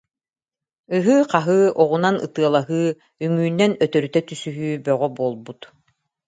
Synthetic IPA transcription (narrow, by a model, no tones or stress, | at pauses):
yɦyːqaɦɯːʔɔʁunanɯ̰t̪ɯɐlˠaɦɯː | ymyːnːɛnœt̪œɾyt̪ɛt̪ysyɦyːbœʁɔbuɔːlˠbut̪